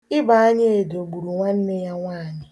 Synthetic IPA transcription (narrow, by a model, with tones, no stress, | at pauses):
ɪ˦ba˨a˦ɲɪ˦e˨do˨ɡ͡bu˨ɾu˨ŋʷa˦n̩˦nɪ˦ja˦ŋʷaː˦˨ɲɪ˨